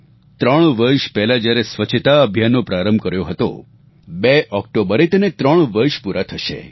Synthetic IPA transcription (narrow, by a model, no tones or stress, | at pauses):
t̪ɾəɳ̃ʋəɾʃpɛɦlad͡ʒjaɾesʋət͡ʃʰət̪aəbʱjanːopɾaɾəmbʱkəɾjoɦət̪o̰ | beʔɔk̚ʈobəɾet̪ənet̪ɾəɳ̃ʋəɾʃpuɾʔat̪ʰəʃḛ